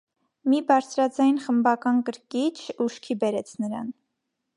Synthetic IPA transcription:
mibɑɾt͡sʰɾɑd͡zɑjnχəmbɑkɑnkəɾkit͡ʃʰuʃkʰibɛɾɛt͡sʰnəɾɑ̰n

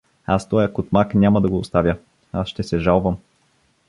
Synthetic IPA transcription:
ast̪ɔjɐkot̪maknʲamɐd̪ɐɡoːst̪avʲjə | asʃt̪ɛsɛʒalˠvəm

